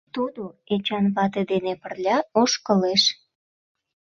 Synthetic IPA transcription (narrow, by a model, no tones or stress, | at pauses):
t̪ud̪oet͡ɕɑnβɑt̪ed̪enepərlʲɑoʃkəleʃ